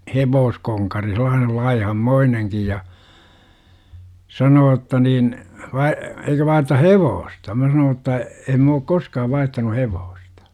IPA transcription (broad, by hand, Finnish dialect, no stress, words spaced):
heʋoːskoŋkɑri selˑɑːnel lɑihɑmːoineŋkij jɑ sɑnoː jotːɑ niːn ʋɑi eikø ʋɑih̆r̆ĕtɑ heʋoːstɑ mæ sɑnoː tːɑ em m oːk koskɑːʋ ʋɑihtɑnu heʋoːstɑ̥